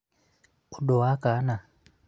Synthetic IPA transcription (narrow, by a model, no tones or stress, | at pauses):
oɗɔwakana